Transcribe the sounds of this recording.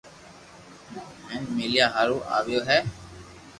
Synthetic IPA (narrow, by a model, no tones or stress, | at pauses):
mɛ̃ːnmeːljaːɦaːɾuːʔa̰ːʋɪjoːɦɛː